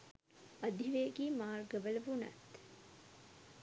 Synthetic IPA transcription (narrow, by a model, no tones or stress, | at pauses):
ɐd̪iʋeːɡiːmaːrɡɐʋɐlɐbunɐ̰t̪